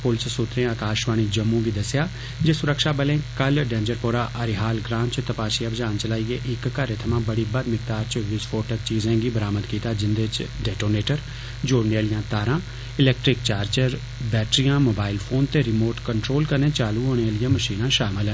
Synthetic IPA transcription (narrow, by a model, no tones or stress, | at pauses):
pʊlt͡ʃsʊt̪ɾẽːaːkaːʃʋaːɽ̃iːd͡ʒəmːũːɡiːd̪əsjaː | d͡ʒeːsʊɾəkʃaːbəlẽːkəlɖɛ̃ːnd͡ʒəɾpoːɾaːʔəɾɪɦaːlɡɾãːnt͡ʃt̪əpaːʃiabd͡ʒaːnt͡ʃəlaːiːeːʔɪkːəɾeːt̪ʰəmãːbəɽiːbəd̪mɪk̚t̪aːɾt͡ʃəʋɪt͡ʃfʰoːʈək̚t͡ʃiːzẽːɡiːbəɾaːməd̪kiːt̪aːd͡ʒɪnd̪eɪt͡ʃɖɛːʈoːneːʈəɾ | d͡ʒoːɾneːlɪjãːt̪aːɾãː | ɪlɛːk̚ʈɾɪk̚t͡ʃaːɾt͡ʃəɾ | bɛːʈɾijãːmoːbaːɪlpʰoːnt̪eːɾɪmoːʈkəɳʈɾoːlkəɾnẽːt͡ʃaːluːɦoːɽ̃eːlɪjãːməʃiːnãːʃaːmɪl